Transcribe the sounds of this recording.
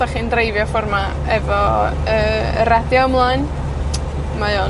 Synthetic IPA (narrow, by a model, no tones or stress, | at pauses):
aχindrejvjɔfɔrma | ɛvɔ | əːə̰rɛdjɔəmlˠan | majoː